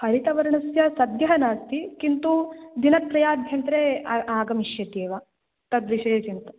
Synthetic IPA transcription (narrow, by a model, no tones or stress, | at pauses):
pɐɾit̪ɐʋɐɾɳɐsjɐsɐd̪jɐɦɐnaːst̪ikint̪ud̪inɐt̪̚pɾɐjaːb̪ʱjɐnt̪ɾeaːɡɐmiʃjɐt̪eːʋɐ | t̪ɐd̪ʋiʃɐjɐt͡ʃint̪u̥